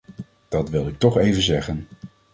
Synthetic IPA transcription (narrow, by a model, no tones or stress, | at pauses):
d̥ɑtʋɪlˠɪk̚tɔχejvənzɛχən